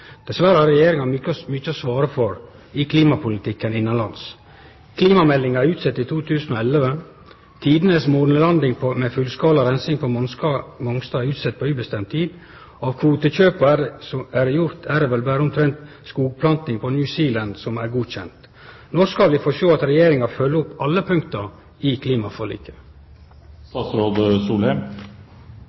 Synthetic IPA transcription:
d̪̥ɛsʋæɾəhɑɾɛjeːɾɪŋɑmyːt͡ʃːəɔsʋɑːɾəfɔɾ | ɪkʰliːmɑpʰʊlɪt̪ʰɪkːənɪnːɑnlɑns | kʰliːmɑmɛlːɪŋɑæɾʉːt̪sɛt̪ːɪt̪ʰuːt̪ʰʉːsən̩ɔɛlʋə | t̪ʰiːd̪ənəsmuɾnəlɑnd̪ɪŋpʰmɛfʉlskɑːlɑɾɛnsɪŋpʰɔmɔsɑmɔŋst̪ɑːɾʉːt̪sɛt̪̚ːpʰɔʉːbəst̪ɛmt̪ʰiːd̪ | ɔɑːʋkʰʋuːt̪əçøːpɑsɔæɾjʊɾt̪ʰæɾɛʋɛlbæːɾəʊmt̪ʰɾɛnt̪ | skuːɡ̚pʰlɑnt̪ɪŋpʰɔnjʉːsiːlɑnd̪sɔmæɾɡuːçɛnt̪ | nɔskɑlʋɪfɔʂtoːɑt̪ɾɛjeːɾɪŋɑfœlːəʊpːɑlːəpʰʉŋkt̪əɾ | ɪkʰliːmɑfɔlḭːkə | st̪ɑːsɾoːd̪əsuːlhɛm

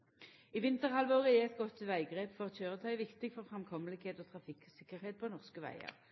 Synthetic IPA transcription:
iːʋɪnt̪əʁhɑlʋoːʁəɛɛt̪̚ɡɔt̪ːʋæɪɡʁeːpfɔʁçøːʁət̪ʰœʏʋɪkt̪ɪɡfɔʁfʁɑmkʰɔməlɪɡheːt̪oːt̪ʰʁɑfɪksɪkːəʁheːt̪̚pʰoːnɔʁskəʋæ̰ɪə̰ʁ

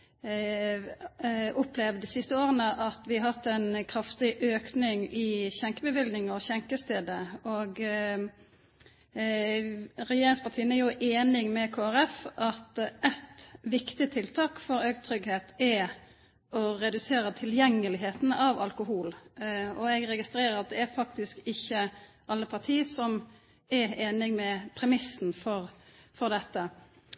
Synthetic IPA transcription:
ʊpʰlɛʋd̪isɪst̪əoːɾənəʔɑt̪ʋɪɑɦɑt̪ːɛnkʰɾɑft̪ɪʔøːknɪŋɪçɛŋkəbəʋɪld̪nɪŋɔɕɛŋkəst̪eːd̪əɔɡ | ɾɛjeːɾʁɪŋspʰɑtʰiːənæɾjʊʔeːnɪŋmɛkʰoːæʁɛfɑt̪ɛt̪ʋɪkt̪ɪt̪ʰɪlt̪ʰɑːkfɔɾøːɡt̪ʰɾʏɡheːt̪ɛ | ɔɾɛd̪ʉseːɾət̪ʰɪljɛŋːəlɪɦeːt̪n̩ɑʋɑlkʊɦuːlɔɛɡɾɛɡɪst̪ɾeːɾəɾɑt̪̚d̪ɛæɾfɑkt̪ɪskɪçːə | ʔɑlːəpʰɑʁt̪ʰiːəsɔm | ɛɾeːnɪŋmɛpʰɾɛmɪsn̩fɔɾfɔɾd̪ɛt̪ːə

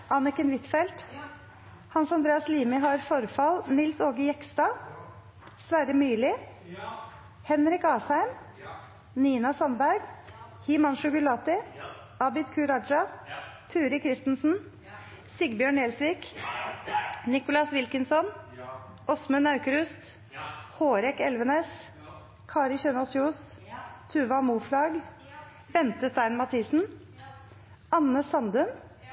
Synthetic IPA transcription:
ʔɑːnɪkənʋɪt̪fɛlt̪ | hɑnsɑnd̪ɾeːɑsliːmɪɦɑɾfɔɾfɑlnɪlsoːɡəjɛkst̪ɑː | sʋæːɾəmyːlɪ | hɛnɾɪkɑːshæɪm | niːnɑsɑnbæɾɡ | hiːmɑnʃʊɡʉlɑːt̪ɪ | ʔɑbɪt̪kʰʉːɾɑd͡ʒɑt̪ʰʉːɾɪkʰɾɪst̪n̩sn̩ | sɪɡbjøːɳeːlsʋiːk | nɪkʊlɑsʋɪlkənsɔn | ʔɔsmənɑʉkəɾʉst̪ | hoːɾɛkɛlʋəneːs | kʰɑːɾɪçɛnɔsjuːst̪ʰʉːʋɑmuːflɑɡ | bɛnt̪əst̪æɪnmɑt̪ʰiːsn̩ | ɑnəsɑnd̪ʉm

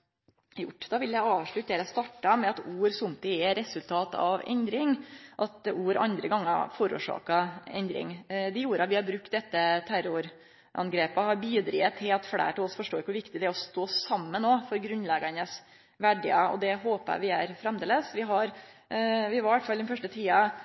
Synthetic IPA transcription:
jʊ̰ʈːd̪ɑʋɪljæɪɑːʋʂɭʉt̪eːɾəst̪ɑʈːɑmɛɑt̪uːɾsʊmt̪ɪɛɾɛsʉlt̪ʰɑːt̪ɑ̰ʋɛ̰nd̪ɾɪŋʔɑt̪uːɾɑ̰nd̪ɾəɡɑŋːə̰fɔːɾṵːʂɑ̰ːkɑɛ̰nd̪ɾɪ̰ŋd̪ɛjuːɾəɑt̪ʋɪhɑɾbɾʉk̚t̪̚d̪ɛt̪ːət̪ʰæɾʊɾ | ʔɑ̰nɡɾeːpəɔhɑɾbiːd̪ɾḭːət̪ʰːɪlɑt̪fɽæ̰ːʈlɔsfɔʂʈoːɾɪkːəʋʊʋɪkt̪ɪd̪ɛɔst̪oːsɑmːənːoːfɔɾɡɾʉnlɛɡənəs | ʋæɖɪ̰əɔ̰d̪ɛɦoːpæ̰ʋɪæɾfɾɛmd̪eːləsʋɪɦɑɾ | ʋɪʋɑɾʋæt̪fɑld̪ɛnfœʂʈət̪ʰiːɑ

